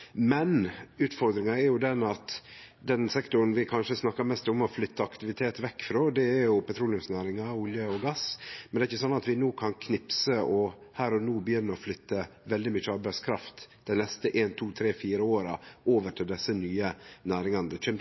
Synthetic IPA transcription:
mɛnʉːt̪fɔɾd̪ɾɪŋɑɛɾjʊd̪ɛnɑt̪ | d̪ɛnsɛkt̪ʊɾnʋɪkʰɑnʂəsnɑkːɑɾmɛst̪ʊmɔflʏt̪ːəɑkt̪ɪʋɪt̪ʰeːt̪ʋɛkːfɾoːd̪ɛæɾjʊpɛt̪ʰɾuːlʊmsnæːɾɪŋɑʊljəɔɡɑsmɛnɛɾɪçːəsɔnːɑt̪ʋɪnoːkʰɑnkʰnɪpsəɔhæːɾɔnuːbəjʏnːəɾɔflʏt̪ːəʋɛld̪ɪmʏçːəɑɾbæɪskʰɾɑft̪d̪̥ɛɪnɛst̪əʔeːnt̪ʰuːt̪ʰɾeːfiːɾəoːɾɑʔoːʋəʈʰɪld̪ɛsənyːənæːɾɪŋɑnd̪ət͡ʃɛn

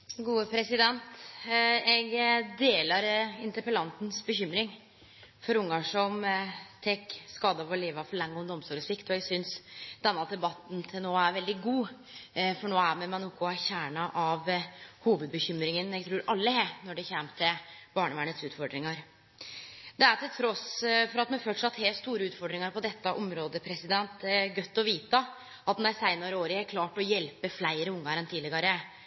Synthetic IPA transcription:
ɡuːəpʰɾɛsɪd̪ɛnt̪ | ɛɡd̪eːlɑɾɪnt̪əɾpəlɑnt̪n̩sbəçʏmɾɪŋ | fɔɾʊŋːɑʂɔmt̪ʰɛkskɑːd̪əɑʋɔleːʋɑfɔɭɛŋːɔmd̪ɔmst̪uːɾəslɪkt̪ɔɛɡsʏnsd̪̥ɛnːɑd̪ɛbɑt̪n̩t̪ʰɪlnoːæɾʋɛld̪ɪɡuː | fɔɳoːæɾmɛmɑnʊkʊɑçæːɳɑʔɑʋhuːʋəd̪̚bəçʏmɾɪŋənɛɡt̪ʰɾuːɾɑlːəhenɔɖɛçɛːmt̪ʰɪb̥ɑːɳəʋæːɳət̪sʉːt̪fɔɖɾɪŋɑɾ | d̪ɛæɾt̪ʰɪlt̪ʰɾɔsfɔɾɑt̪mɛnfœʈʂɑt̪heːst̪uːɾəʉːt̪fɔɖɾɪŋɑɾpʰɔd̪ɛt̪ːəʔɔmɾoːd̪əpʰɾɛsɪd̪ɛnt̪ɡœt̪ːɔʋiːt̪ə | ʔɑt̪̚d̪næsæɪnəɾəoːɾəɛkʰlɑːʈɔjɛlpəflæɪəɾəʊŋːɑɾɛnt̪ʰiːlɪɡɑɾə

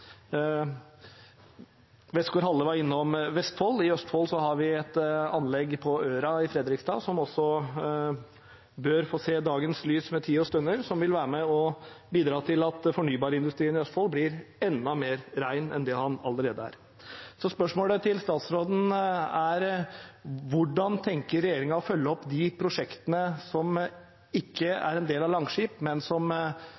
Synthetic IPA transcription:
ʋɛskɔːɾɦɑlːəʋɑɾɪnːəɔmʋɛst̪fɔlɪœst̪fɔlsɔhɑɾʋɪɛt̪ɑnlɛɡpʰɔøːɾɑɪfɾɛd̪ɾɪkst̪ɑ̰ːsɔmɔsːɔ | bøɾfoːseːd̪ɑːɡənslyːsmɛt̪ʰiːɔst̪ʉnːəɾsɔmʋɪlʋæːɾəmɛɔbiːd̪ɾɑːt̪ʰɪlɑt̪fɔɳyːbɑːɾəɪnd̪ʉst̪ɾiːənɪœst̪fɔlblɪɾɛnd̪ɑmeːɾɾæɪnɛ̰nd̪ɛhɑnɑlːəɾeːd̪əæ̰ːɾ | sɔspœʂmoːlət̪ʰɪlst̪ɑːt̪sɾoːd̪n̩æɾ | ʋʊɖɑnt̪ʰɛŋkəɾːɛjeːɾɪŋɑɔfœlːəɔpːd̪ɪpʰɾʊʂɛkt̪ənəsɔm | ɪkʰːəæ̰ɾɛnd̪eːlɑʋlɑŋʂiːpmɛnsɔm

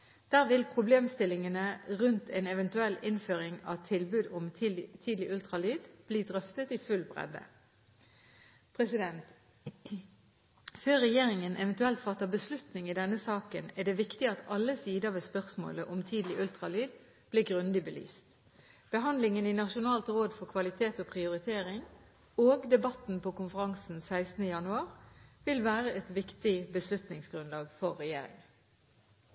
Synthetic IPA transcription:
d̪̥æːʁʋɪlpʰʁʊbleːmst̪ɪlɪŋənəʁʉnt̪ʰeːnɛʋɛnt̪ʉɛlːɪnføːʁɪŋɑ̰ʋt̪ʰɪlbʉːd̪ɔmt̪ʰiːd̪lɪʔʉlt̪ʁɑlyːd̪b̥liːd̪ʁœft̪ət̪ifʉlbʁɛ̰d̪ə̰ | pʰʁɛsɪd̪ɛnt̪ | føːʁɛjeːʁɪŋənʔɛʋɛnt̪ʉɛlt̪fɑt̪ːəbəslʉt̪nɪŋiːd̪ɛnːəsɑːkənɛd̪ɛʋɪkt̪ɪɑt̪ɑlːəsiːd̪əʋeːspœʁsmo̰ːləʔɔmt̪ʰiːd̪lɪʔʉlt̪ʁɑlyːd̪ | b̥liːɡʁʉnd̪ɪbəly̰ːst̪ | b̥əɦɑnd̪lɪŋəninɑʃʊnɑːlt̪ʁoːd̪fɔʁkʰʋɑlɪt̪ʰeːt̪ɔːpʰʁɪʊʁɪt̪ʰeːʁɪŋ | oːɡd̪ɛbɑt̪n̩poːkʊnfəʁɑŋsn̩sæɪst̪ənəjɑnʉɑːʁʋɪlʋæːʁəɛt̪ʋɪkt̪ɪbəslʉt̪nɪŋsɡʁʉnlɑːɡfɔʁːɛjḛːʁɪ̰ŋən

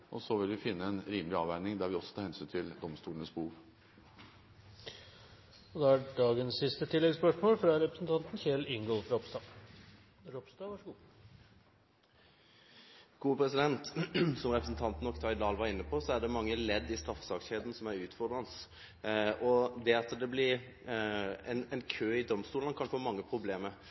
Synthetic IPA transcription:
ʔɔsɔʋɪlʋɪfɪnːəɛnɾiːməlɪɑːʋæɪnɪŋd̪æɾʋɪɔsːɔ̥t̪ʰɑːhɛnsyːnt̪ʰɪld̪ɔmst̪uːlənəsbuːʋ | ɔd̪ɛæɖɑːɡənsːɪst̪ət̪ʰɪlːɛɡspœʂmoːlfɾɑɾɛpɾəsnt̪ʰɑnt̪n̩çɛlɪŋɡɔlfɾɔpst̪ɑː | ɾɔpst̪ɑːʋɑʂəɡuː | ɡ̥uːəpʰɾɛsɪd̪ɛnt̪sɔmɾɛpɾəsn̩t̪ʰɑnt̪nɔkt̪ʰɑɪd̪ɑːlʋɑɾɪnːəpʰɔsɔæɖɛmɑŋːəlɛd̪ːɪst̪ɾɑfsɑːkheːd̪nsɔmæɾʉːt̪fɔɾd̪ɾɑns | ʔɔd̪ɛɑt̪d̪ɛblɪɾ | ɛnɛnkʰøːɪd̪ɔmst̪uːlənkʰɑnfoːmɑŋːəpʰɾʊbleːməɾ

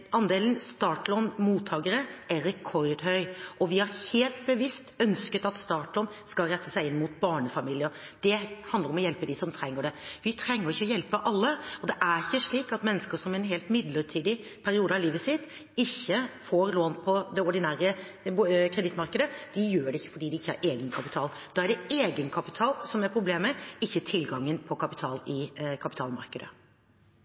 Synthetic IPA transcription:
ɑnd̪eːlənst̪ɑːʈlɔnmuːt̪ʰːɑːɡəɾəæɾɛkʰɔɾd̪ɦœʏʔɔʋɪhɑɾheːlt̪̚bəʋɪst̪œnskət̪ɑt̪st̪ɑːʈlɔn | skɑlɾɛt̪ːəsæɪɪnːmuːt̪̚bɑːɳəfɑmiːlɪəɾ | d̪̥ɛhɑnd̪əɾɔmɔjɛlpəd̪ɪsɔmt̪ʰɾɛŋːəɖɛʋɪt̪ʰɾɛŋːəɾɪçːəɔjɛlpəʔɑlːəɔd̪ɛʔæɾɪçːəʂɭiːkɑt̪mɛnːəskəsɔmɛnɦeːlt̪mɪd̪ləʈʰiːd̪ɪ | pʰæɾɪuːd̪əɑliːʋəsɪt̪ː | ɪçːəfoːɾloːnpʰɔd̪ɛɔɖɪnæːɾə | kʰɾɛd̪ɪt̪mɑɾkəd̪əd̪̥ɪjøːɖɛɪçːə̥fɔɖiːd̪ɪɪçːəhæ̰ɾeːɡənkʰɑpɪt̪ʰɑːld̪̥ɑːæɖɛeːɡənkʰɑpɪt̪ʰɑːlsɔmæɾpʰɾʊbleːməɪçːət̪ʰɪlɡɑŋːənpʰɔkʰɑpɪt̪ʰɑːlɪkʰɑpɪt̪ʰɑːlmɑ̰ɾkəd̪ə̰

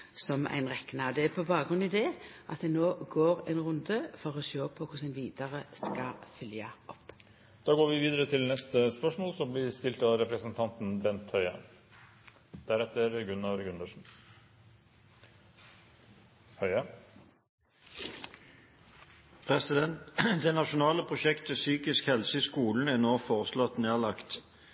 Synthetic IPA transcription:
sɔmʔæ̰ɪnʁɛkːnɑd̪ɛæpʰɔbɑːɡʁʉnɪd̪ɛʔɑt̪̚d̪ɛnoːɡoːʁɛɪnʁʉnd̪əfɔʁɔsøːpʰɔkʰʊsæɪnʋiːd̪əʁəskɑfʏljɑʔɔpː | d̪̥ɑːɡoːɾʋɪʋiːd̪əɾət̪ʰɪlnɛst̪əspœʂmoːlsɔmblɪst̪ɪlt̪ɑɾɛpɾəsənt̪ʰɑnt̪nbɛnt̪hœʏə̰ | d̪̥æɾɛt̪ːəɾɡʉnːɑʋɾɡʉnd̪əʂn̩ | hœʏə | pʰʁɛsɪd̪ɛnt̪d̪ɛnɑʃʊnɑːləpʰʁʊʃɛkt̪əsyːkɪskhɛlsəskuːln̩ɛnoːfɔʁəslɔt̪neːlɑkt̪

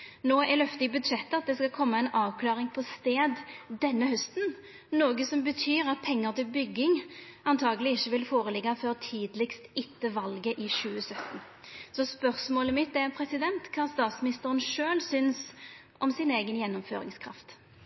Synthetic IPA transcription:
noːɛlœft̪ɪɡbʉd̪ʂɛt̪ːəɑt̪̚d̪ɛskɑkʰɔmːəɛɪnɑːʋkʰlɑːɾɪŋpʰɔst̪eːd̪d̪ɛnːəhœst̪n | noːɡəsɔmbət̪ʰyːɾɑt̪̚pʰɛŋːəʁt̪ɪlbʏɡːɪŋɑnt̪ʰɑːɡəlɪɪçːəʋɪlfoːʁəlɪɡːɑfœʁt̪ʰiːd̪lɪkst̪ɪt̪ːəʋɑlɡəʔɪʃʉːəsœt̪ːn̩ | sɔspœʁsmoːləmɪt̪̚d̪ɛɛpʰɾɛsɪd̪ɛnt̪kʰɑːst̪ɑːt̪smɪnɪst̪əɾənʂøːlsʏns | ʔɔmsɪneːɡənjɛnːɔmfø̰ːɾɪ̰ŋskʰɾɑ̰ft̪

